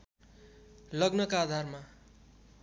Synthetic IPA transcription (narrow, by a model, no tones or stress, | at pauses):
lʌɡnʌkaːd̪ʱarma